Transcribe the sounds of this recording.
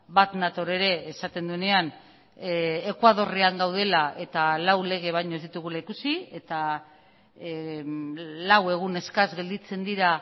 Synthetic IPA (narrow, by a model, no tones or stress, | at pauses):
bat̪nat̪o̞ɾe̞ɾe̞ːsat̪e̞nd̪uene̞an | kwað̞o̞riaŋɡawðe̞laʔe̞t̪alawle̞ɣ̞e̞β̞ajɲozðit̪uɣ̞ulaikusie̞t̪a | lawe̞ɣ̞une̞skazɣe̞ld̪it͡se̞nd̪iɾa